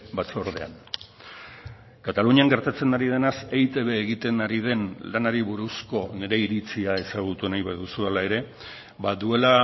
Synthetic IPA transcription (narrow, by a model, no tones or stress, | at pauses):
bat͡soɾð̞e̞̰a̰n | kat̪aluɲiaŋɡe̞ɾt̪at͡se̞naɾið̞enasejt̪e̞βe̞ːɣit̪e̞naɾið̞e̞nlanaɾiβuɾusko̞ne̞ɾe̞iɾit͡siae̞saɣ̞ut̪unajβaðusualae̞ɾe̞ | baðue̞la